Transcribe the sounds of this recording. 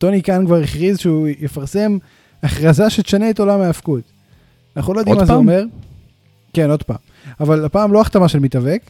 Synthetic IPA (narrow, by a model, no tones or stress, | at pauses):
tonikankvaʁeχʁizʃeujefaʁse̞m | aχʁazaʃet̪ʃane̞eto̞lameːfkut̪ | anaχulojod̪imazeome̞ʁ | keno̞d̪pa̰ːm | avalapaːmlo̞aχt̪amaʃelmitavek